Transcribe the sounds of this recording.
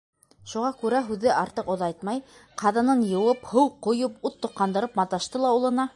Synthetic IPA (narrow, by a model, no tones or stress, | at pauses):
ʃuʁɑkʉɾæɦʉðɘʔɑɾt̪ɤqŏðɑjt̪mɑjqɑðɑnɤnjɤ̆wɤphɤwqŏjoput̪ːŏqːɑnd̪ɤ̆ɾɤpmɑt̪ɑʃt̪ɤlˠɑulˠɤ̆nɑ